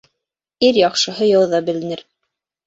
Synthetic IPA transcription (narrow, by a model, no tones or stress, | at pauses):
iɾjɑqʃɤ̆ɦɤjɑwðɑbɘ̆lɘ̆nɘɾ